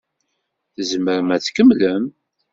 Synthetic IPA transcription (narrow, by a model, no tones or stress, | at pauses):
θəzməɾəmæθkəmləm